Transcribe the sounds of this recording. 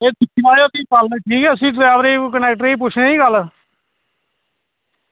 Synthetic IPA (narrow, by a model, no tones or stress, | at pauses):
eːt̪ɪkʰːnaːjoːt̪ĩːpalnẽʈʰiːkɛːəsĩːʈɾaːʋɾeːkənɛːk̚ʈɾeiːp̬ʊt͡ʃʰnẽiːɡəl